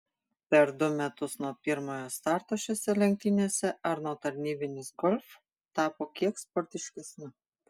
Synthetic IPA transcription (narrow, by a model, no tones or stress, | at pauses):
pʲɛɾd̪ʊmʲɛt̪ʊsnuɔpʲɪɾmoːjoːst̪ɑːˑɾt̪oːʃʲeːsʲɛlʲɛŋʲk̚t̪ʲɪnʲeːsʲɛɐɾnuɔt̪ɐɾʲnʲiːbʲɪnʲɪsɡɔlʲf | t̪ɑːpoːkʲiɛkspɔɾʲt̪ʲɪʃʲkʲɛsʲnʲɪ